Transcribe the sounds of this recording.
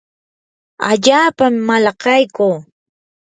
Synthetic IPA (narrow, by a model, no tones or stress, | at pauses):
a̰ʎaːpamːalɑqɑjkuː